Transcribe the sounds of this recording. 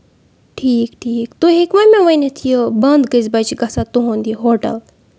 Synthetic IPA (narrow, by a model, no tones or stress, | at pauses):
ʈʰiːkʈʰiːkt̪uɦikmɐmẽʋɐjnet̪ʰijobɐnd̪ɡəzbɐt͡ʃiɡɐsat̪uɦõːnd̪iɦoːʈɐ̰l